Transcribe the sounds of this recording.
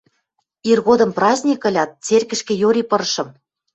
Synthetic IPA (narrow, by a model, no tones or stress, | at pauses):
irɣod̪ɤ̆mprɑzʲnʲikɤ̆lʲɑt̪̚t͡serkɘ̆ʃkĕjoɾʲipɤ̆ɾʃɤ̆m